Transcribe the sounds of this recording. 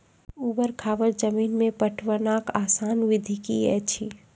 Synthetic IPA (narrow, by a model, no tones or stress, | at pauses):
uːbəɾkʰaːʋəɾd͡ʒəmiːnmẽpəʈʰʋənaːkaːsaːnʋɪd̪ʱikiɛ̰t͡ʃʰi